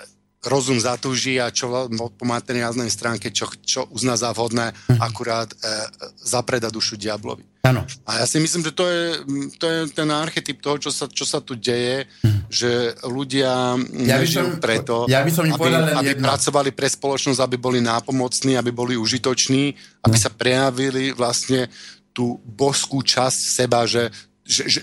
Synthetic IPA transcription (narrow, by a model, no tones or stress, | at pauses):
ɾɔzumzat̪uːʒiat͡ʃɔɔpɔmat̪ɛnɾaznɛjst̪ɾaːŋkɛt͡ʃɔt͡ʃɔʔuznaːzavɦɔd̪nɛːakuɾaːt̪ | zapɾɛd̪ad̪uʃuɟɪablɔ̰ʋi | anajasimisliːmʒɛt̪ɔjɛt̪ɔjɛt̪ɛnaɾxɛt̪ip̚t̪ɔɦɔt͡ʃɔsat͡ʃɔsat̪uɟɛjɛ | ʒɛluɟɪaɛʒiupɾɛt̪ɔjabisɔmaiabipɾat͡sɔʋalipɾɛspɔlɔt͡ʃnɔzabibɔlinaːpɔmɔt͡sniːabibɔliuʒit̪ɔt͡ʃniːabisapɾɛjaʋiliʋlast̪ɲɛt̪uːbɔʃskuːt͡ʃascsɛbaʒɛ | ʒɛʒɛ